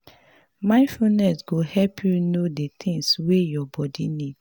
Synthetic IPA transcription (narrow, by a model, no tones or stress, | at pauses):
mãɪ̃nfunɛsɡohɛlpʰjunodet̪ʰɪ̃ŋswejɔbɔdinid